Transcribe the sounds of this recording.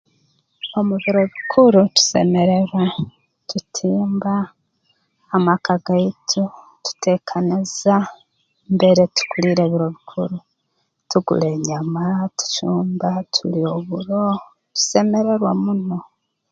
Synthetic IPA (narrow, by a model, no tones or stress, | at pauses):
o̞muβiɾo̞βikʰuɾutu̥se̞̰me̞ɾeɾwa | tutʰiːmba | makaɡaitʰu | tu̥te̞ːkʰaniza | mbe̞ɾe̞tu̥kuliɾe̞ːβiɾo̞βikʰuɾu | tuɡṵle̞ːɲamatu̥t͡ʃuːmbatʰulio̞βuɾo̞ | tu̥se̞me̞ɾe̞ɾwamuno̞